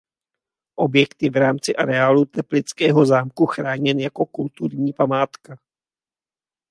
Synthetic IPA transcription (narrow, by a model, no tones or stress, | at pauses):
ʔo̞bjɛkt̪jɛvɾaːmt͡sɪʔaɾɛaːlut̪ɛplɪt͡skɛːɦo̞zaːmkuxɾaːɲɛnjako̞kult̪uɾɲiːpamaːt̪ka